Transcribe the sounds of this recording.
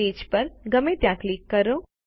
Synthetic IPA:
eːd͡ʒpɐɾɡɐmẽt̪jaːkliːkːɐɾõː

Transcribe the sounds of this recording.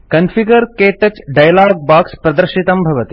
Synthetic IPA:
kɐnfʰiɡəɾkeːʈɐt͡ʃɖajlaːɡ̚baːkspɾɐd̪əɾʃit̪ɐmbʱɐʋɐt̪i

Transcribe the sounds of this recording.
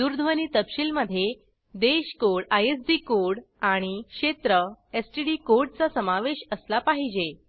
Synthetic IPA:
d̪uɾd̪ʱʋəñiːt̪əpɕilməd̪ʱːje | d̪eɕkoɽajes̬d̪iːkoɽaɽ̃ikʂet̪ɾəesʈiɽiːkoɾɽ̚t͡sasəmaʋeɕəslapaɦid͡ʑe

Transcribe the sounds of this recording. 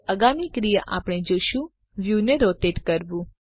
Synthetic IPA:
əɡamikɾijaʔapɽ̃ed͡ʒoʃũ | ʋjuneɾot̪eʈkəɾʋũ

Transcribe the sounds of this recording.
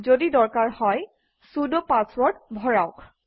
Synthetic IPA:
zodidɔɹkaɹhɔj | sudɔpãswɔɹdbʱɔɹaʊk

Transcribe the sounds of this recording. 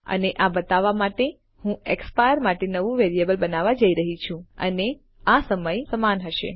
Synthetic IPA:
ə̰neʔabət̪aʋamaʈe | hũekspajəɾmaʈenəʋũʋeɾiebəlbənaʋad͡ʒəiɾəɦit͡ʃʰũə̰ne | asəməjsəmanɦəʃḛ

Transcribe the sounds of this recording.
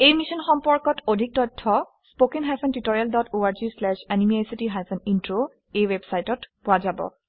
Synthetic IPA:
ejmisɔnxɔmpɔɹkɔtodʱik̚tɔtʰːɔ | spokenɦajpʰɔntitoɹialdɔtʰoaɹzislɛʃanimiasitiɦajpʰɔnintɹo | ejwebsajtɔtpʊazabɔ̰

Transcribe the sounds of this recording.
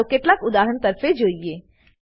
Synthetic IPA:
keʈlakʊd̪aːɾənt̪ɐɾfed͡ʒoːieː

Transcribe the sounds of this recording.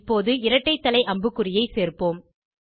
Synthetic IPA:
pːoːðɯɪɾɐʈːɐɪt̪ːɐlɐɪʔɐmbɯkːɯrɪjɐɪseːrpoːm

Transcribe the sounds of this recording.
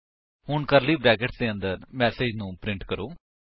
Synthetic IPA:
hʊɳkɐɾliːbɾɛːɡeʈsd̪eːə̃nd̪əɾmɛːseːd͡ʒnũːpɾɪ̃ɳʈkəɾoː

